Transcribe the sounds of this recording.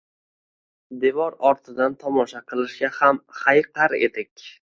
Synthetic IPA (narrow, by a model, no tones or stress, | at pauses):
d̪evɒɾɒɾt̪ʰɪd̪ant̪ʰɒmɒʃaqʰɨlˠɪʃɡʲahamhajqʰaɾe̞̰d̪ɪkʲ